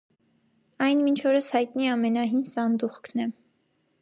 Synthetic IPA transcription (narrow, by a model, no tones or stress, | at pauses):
ɑjnmint͡ʃʰɔɾəshɑjt̪niɛɑmɛnɑɦinsɑnd̪uχkʰnɛ